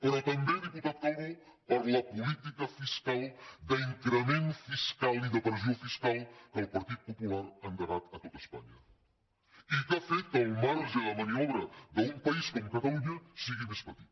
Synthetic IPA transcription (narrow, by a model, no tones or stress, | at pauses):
pɐɾɐt̪ɐmbejðiput̪at̪̚kɔɾju | pɐɾlɐpulit̪ikɐfiskalˠd̪ɐiŋkɾəmẽnfiskaliðɐpɾziofiskalˠkɐlpɐɾt̪iðupupulaɾɐŋɡ̪ɐɾat̪ɐt̪ot̪ɐspa̰ɲɐ | ikafɛjt̪ɐwmaɾʒɐmɐniɔβɾɐðɐumpɐiskomukɐt̪ɐluɲɐsiɣimespɐt̪i